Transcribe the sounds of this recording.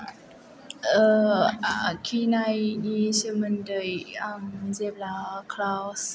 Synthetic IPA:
ə | kʰinajnisəməndəjamzeblakʰlaws

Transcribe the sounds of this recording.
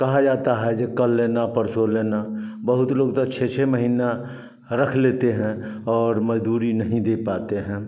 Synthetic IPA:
kɐɦad͡ʒaːt̪aɦɛd͡ʒekəlːeːnapəɾsoleːnabəɦʊt̪loːɡt̪ət͡ʃʰet͡ʃʰeməɦiːna | ɾəkʰleːt̪eɦɛ̃ɔːɾməd͡ʒd̪uːɾinəɦĩd̪eːpaːt̪eɦɛ̃ː

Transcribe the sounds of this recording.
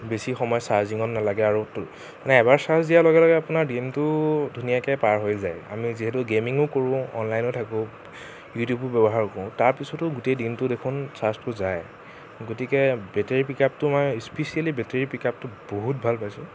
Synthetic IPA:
besixɔmɔjɔsaɹziŋɔnːalaɡɛaɹu | manɛːbaɹsaɹsdijalɔɡɛlɔɡɛapʊnaɹdintʊdʱunijakɛpaɹɦojza̰ja̰miziɦɛtʊɡemiŋʊkoɹʊ̃ɔ̰nlajnɔtʰakʊ̃ | jutjubʊbɛbɔɦaɹkɔʊ̃taɹpisɔtʊɡutejdintʊdekʰʊnsastʊzaj | ɡotikɛbɛteɹipikap̚tʊmɔjspesialibɛteɹipikap̚tʊboɦut̚bʱalpajsʊ

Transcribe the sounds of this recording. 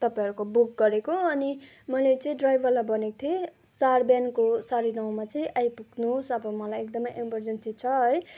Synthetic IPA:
t̪ʌpaj̃ɦʌɾukobukɡʌɾekoʌni | mʌlet͡sʌĩɖrajbʱʌrlabʌnekt̪ʰie | sarbjankosaɾinaw̃mat͡sʌĩʔajpuknusʌbʌmʌlajekd̪ʌmʌjʔemʌrd͡zensit͡sʰʌʌj

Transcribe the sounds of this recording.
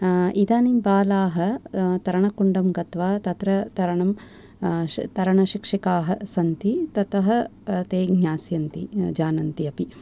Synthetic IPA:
id̪aːnimbaːlaːɦɐt̪ɐɾɐɳɐkuɳɖɐmɡɐt̪ʋaːt̪ɐt̪ɾɐt̪ɐɾɐɳɐm | t̪ɐɾɐɳɐʃikʂikaːɦɐsɐnt̪it̪ɐt̪ɐɦɐ̆t̪eːɡʱɲaːsjɐnt̪id͡ʒaːnɐnt̪iɐpi

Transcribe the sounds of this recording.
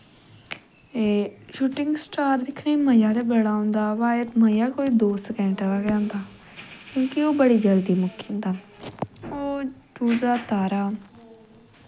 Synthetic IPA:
eʃuːʈɪ̃ŋɡsʈaːɾd̪ɪkʰneːməjaːd̪eːbəɽaːõnd̪aːʋaːət̪məjaːkoːiːd̪oːsəkɛ̃ɳʈad̪aːkɛ̃nd̪aː | kjõːkɪoːbəɽiːd͡ʒəld̪iːmʊkʰːiːnd̪aː | oːd͡ʒuːd͡ʒaːt̪aːɾaː

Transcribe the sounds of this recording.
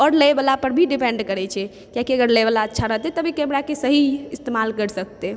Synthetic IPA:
ɔɾləjbalapəɾbʱiɖipɛ̃ɳɖkəɾɛt͡ʃʰɛ | kjakiəɡəɾlebalaətːʃʰaɾəɦt̪ɛt̪əbʱikɛmɾakesəɦiist̪emalkəɾsək̚t̪e

